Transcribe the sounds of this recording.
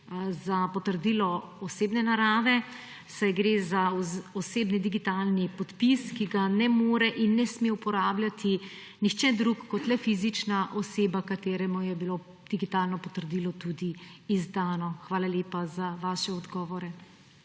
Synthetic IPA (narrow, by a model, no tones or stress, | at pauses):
zapɔt̪əɾd̪iːlɔ | ɔseːbnɛnaɾaːʋɛ | sajɡɾeːzaɔseːbnid̪iɡit̪aːlnipɔt̪piskiɡanɛmoːɾɛʔinːɛsmeupɔɾaːbljat̪ʰi | nixt͡ʃɛd̪ɾukːɔt̪lɛfizit͡ʃnaʔɔseːbakat̪eːɾɛmujɛbilo | d̪̥iɡit̪aːlnɔpɔt̪əɾd̪iːlɔt̪ud̪iːzd̪aːnɔxʋaːlaleːpazaʋaːʃɛɔd̪ɡɔːʋɔɾɛ